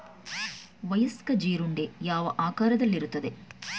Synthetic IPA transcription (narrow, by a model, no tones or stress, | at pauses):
ʋɐjɐskɐd͡ʒiːɾuɳɖejaːʋɐʔaːkaːɾɐd̪ɐlːiɾut̪ːɐd̪e̞